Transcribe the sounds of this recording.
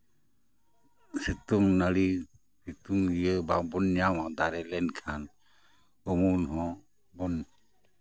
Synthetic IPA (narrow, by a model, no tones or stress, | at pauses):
sit̪umnəɽi | sit̪umijəbabɔnːjawad̪aɾɛlɛnkʰan | ɔmunɦɔ̃ | bɔn